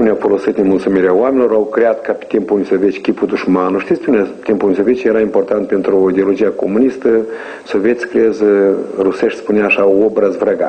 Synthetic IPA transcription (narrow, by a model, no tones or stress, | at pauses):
uneawfolo̞sɨt̪nemulˠt̪sumiɾeaoamenʲilo̞ɾawkɾeat̪kape̥t̪impulnʲisovet͡ʃkʲipud̪uʃmanuʃt̪ist̪eunʲat̪impulnʲisovʲet͡ʃjeɾaimport̪ant̪̚pent̪ɾuid̪eolo̞d͡ʒiakomunist̪ə | sovʲet̪sʲkɾeezruseʃt̪spuneaːʃaobɾəzvɾaɡa̰